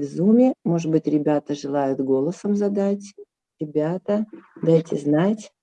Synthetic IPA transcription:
vzumʲɪmo̞ʐɨd̪̚bɨtʲɾʲɪbʲat̪əʐɨlˠajʊt̪ɡo̞lˠəsəmzɐd̪atʲ | ɾʲɪbʲat̪əd̪ajtʲɪznatʲ

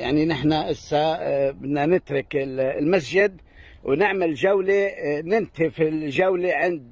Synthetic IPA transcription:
jaʕninɪħnaʔɪsːabɪd̪nanɪt̪ɾʊkɪlmasʒɪd̪ | wnɪʕmalʒawlenɪnt̪ʰifilʒawleʕɪnd̪

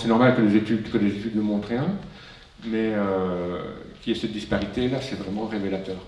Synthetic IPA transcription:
sɛnɔʁmalkəlezet̪yd̪kəlezet̪yd̪nəmɔ̃t̪χjɛ̃ | mɛø | kʲiɛsɛt̪̚d̪ispaʁit̪elasɛvʁɛmɑ̃ʁevelat̪œːʁ

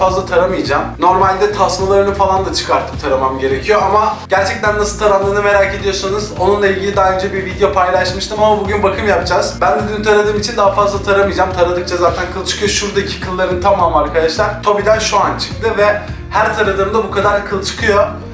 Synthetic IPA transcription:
azlˠat̪ʰaɾamɯjd͡ʒaːmno̞ɾmalʲd̪ɛt̪ʰasmalˠaɾɯnɯfalˠand̪at͡ʃʰɯ̥kʰaɾt̪ʰɯ̥mt̪ʰaɾamamɟe̞ɾecʰijo̞amaɟ̥æɾt͡ʃʰɛc̚t̪ʰænːasɯlˠt̪ʰaɾamlˠaɾɯnɯme̞ɾaːcʰe̞d̪ijo̞sanɯzo̞nunlˠailʲɟʲilʲid̪aːɯnd͡ʒɛbiɾvid̪ejo̞pʰajlˠaʃmɯʃt̪ʰɯmamabuɟynbakʰɯmjap̚d͡ʒaːz̥bænd̪ɛd̪ynt̪ʰaɾad̪ɯːmit͡ʃʰind̪aɦafazlˠat̪ʰaɾamɯjd͡ʒamt̪ʰaɾad̪ɯkt͡ʃʰazaːt̪ʰænkʰɯlˠt͡ʃʰɯ̥kʰɯjo̞ʃuɾd̪acʰi̥kʰɯlˠːaɾɯnɯt̪ʰamaːmaɾkʰad̪aʃlˠaɾt̪ʰo̞bid̪ænʃuant͡ʃʰɯ̥k̚t̪ɯvɛ | hæɾt̪ʰaɾad̪ɯːmd̪abukʰad̪aɾkʰɯlˠt͡ʃʰɯ̥kʰɯjo̞

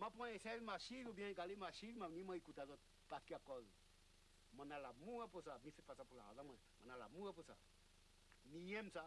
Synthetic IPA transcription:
mapɔ̃esɛɾimaʃiɾubãkalimaʃiɾmanimaikutazɔt̚ | patkiakɔz | mɔnalamuwɛposamisitfasapula̰azamɛmanala̰muɛpusa̰ | mijemsa

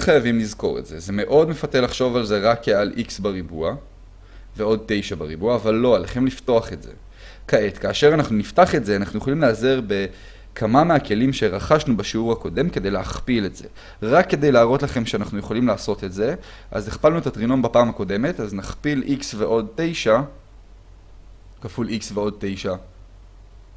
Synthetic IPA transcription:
χajavimlizko̞̰ʁetz̥e̞ze̞me̞ʔo̞dmefatelaχʃo̞valze̞ʁakalʔiksbaʁibua | veo̞d̚te̞jʃabaʁibuaːvalːo̞aleχe̞mlifto̞aχe̞tz̥e̞̰ | kae̞tkaːʃe̞ʁanaχnuniftaχe̞tzeanaχnujeχolimleazeʁbe̞ | kʰamameakʰe̞limʃe̞ʁaχaʃnubaʃiuʁhako̞de̞mke̞d̪e̞jleaχpile̞tz̥e̞̰ | ʁakːe̞d̪e̞jlaːʁo̞tlaχe̞mʃeanaχnujeχolimlaːso̞te̞tze̞ | ʔa̰zeχpalnuetatʁino̞mbapaːmako̞de̞me̞taznaχpilʔiksve̞ʔo̞d̚tejʃa | kafuliksveo̞d̚t̪ejʃa

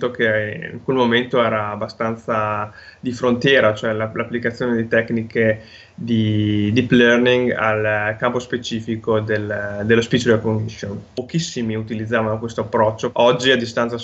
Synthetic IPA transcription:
t̪okeḭŋkwelmoment̪oɛːɾaːbːast̪ant̪sad̪ifɾont̪jɛːɾat͡ʃoɛlalapːlikat̪sjoːned̪it̪ɛknike | d̪id̪iplɛrniŋɡa̰lkampospet͡ʃiːfikod̪eld̪elːospit͡ʃlekondiʃonpokisːimiut̪ilid̪zːaːvanokwest̪oapːɾɔt͡ʃːoɔd͡ʒːiad̪ːist̪ant̪sa

